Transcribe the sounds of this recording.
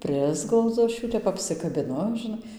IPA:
ˈpʲrʲɪzɡlˠɐʊd͡zʊ ˈɐʃ ˈjuː tʲɛp ˌɑːpʲsʲɪkɐbʲɪˈnʊ ʒʲɪˈnɐɪ

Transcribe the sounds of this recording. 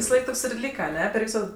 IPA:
ʋʲɪsɐˈlˠɐɪk ˈtoːks ɪr ˈlʲiːkɐ ɐˈnʲɛ pʲɛr ˈʋʲiːsoː

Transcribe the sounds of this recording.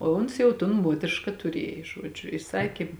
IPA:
oː ˈʊns jɛʊ tʊn ˈmuɔtʲrʲɪʃkɐ tʊˈrʲiɛj ˈʒuɔd͡ʒʲʊ ɪ ˈsɑːkʲeː

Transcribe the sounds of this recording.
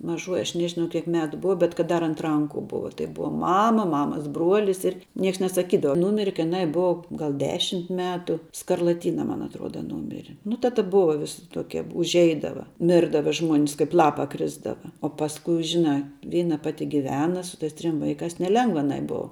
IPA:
mɐˈʒuɔjɪ ɐʃ ˈnʲæːʒʲɪnɐʊ kʲiɛk ˈmʲæːtʊ ˈbʊʋɐ bʲɛt kɐt ˈdɐr ɐnt ˈrɐŋkʊ ˈbʊʋɐ tɐɪ ˈbʊʋɐ ˈmɑːmɐ ˈmɑːmɐs ˈbruɔlʲɪs ˈɪr ˈnʲiɛks nʲɛsɐˈkʲiːdɐʋɐ ˈnuːmʲɪrʲɛ kɐɪ jɪˈnɐɪ ˈbʊʋɐ ˈɡɐlˠ ˈdʲæːʃʲɪmt ˈmʲæːtʊ skɐrlˠɐˈtʲiːnɐ mɐn ɐtˈruɔdɐ ˈnuːmʲɪrʲɪ nʊ tɐ ˈtɐ ˈbʊʋɐ ˈʋʲɪsʲɪ ˈtoːkʲiɛ ʊʒʲˈɛɪdɐʋɐ ˈmʲɪrdɐʋɐ ʒmuɔnʲs ˈkɐɪp ˈlˠɑːpɐ ˈkrʲɪzdɐʋɐ oː pɐsˈkʊɪ ˈʒʲɪnɑː ˈʋʲiːnɐ ˈpɑːtʲɪ ɡʲɪˈʋʲæːnɐ sʊ ˈtɐɪs ˈtʲrʲɪm ˈʋɐɪkɑːs nʲɛˈlʲɛŋɡʋɐ ɐˈnɐɪ ˈboːʊ

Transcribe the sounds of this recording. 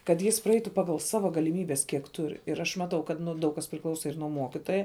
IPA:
kɐt ˈjɪs prɐˈɛɪtʊ ˈpɑːɡɐlˠ ˈsɑːʋɐ ɡɐlʲɪˈmʲiːbʲɛs kʲiɛk ˈtʊr ɪr ɐʃ mɐˈtɐʊ kɐt ˈnʊ ˈdɐʊk kɐs pʲrʲɪˈklˠɐʊsɐ ɪr nuɔ ˈmuɔkʲɪtoːjɛ

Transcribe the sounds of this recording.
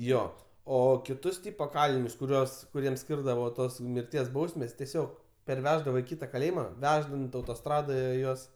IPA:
ˈjoː ˈoː kʲɪˈtʊs ˈtʲɪpoː ˈkɑːlʲɪnʲʊs kʊˈrʲuɔs kʊˈrʲiɛm ˈsʲkʲiːrdɐʋoː ˈtoːs mʲɪrʲˈtʲiɛs ˈbɐʊsʲmʲɛs tʲɛˈsʲoːk pʲɛrʲˈʋʲæːʒdɐʋoː ɪ ˈkʲiːtɐ kɐˈlʲeːjɪmɐ ˈʋʲæːʒdɐnt ɐʊtoːˈstrɑːdoːjɛ ˈjuɔs

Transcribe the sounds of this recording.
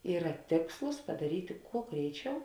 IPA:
ˈiːrɐ ˈtʲeːkslˠʊs pɐdɐˈrʲiːtʲɪ ˈkuɔ ˈɡrʲɛɪˌt͡ʃʲɛʊ

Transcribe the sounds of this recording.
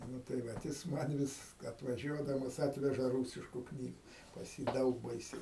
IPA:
ˈnʊ tɐɪ ˈʋɐt jɪs ˈmɐn ʋʲɪs ɐtʋɐˈʒʲuɔdɐmɐs ˈɑːtʲʋʲɛʒɐ ˈruːsʲɪʃkʊ ˈknʲiːɡʊ pɐs ˈjiː ˈdɐʊk ˈbɐɪsʲɛɪ

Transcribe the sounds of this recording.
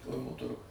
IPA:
ˈkɐʊnoː ˈtʊrɡʊj

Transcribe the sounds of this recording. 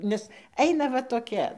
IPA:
ˈnʲɛs ˈɛɪnɐ ʋɐ toːˈkʲɛ

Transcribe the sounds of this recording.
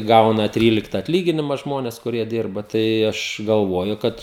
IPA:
ˈɡɐʊnɐ ˈtʲrʲiːlʲɪktɐ ɐtʲˈlʲiːɡʲɪnʲɪmɐ ˈʒmoːnʲɛs kʊˈrʲiɛ ˈdʲɪrbɐ tɐɪ ˈɐʃ ɡɐlˠˈʋuɔjʊ ˈkɐt

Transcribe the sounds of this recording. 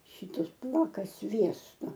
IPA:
ˈʃʲiːtʊs ˈpuɔkɐ ˈsʲʋʲiɛstoː

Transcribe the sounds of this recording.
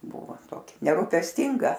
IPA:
ˈbʊʋʊ ˈtoːkʲɪ nʲɛrʊpʲɛsʲˈtʲɪŋɡɐ

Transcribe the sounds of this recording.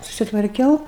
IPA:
sʊsʲɪtʋɐrʲˈkʲɛʊ

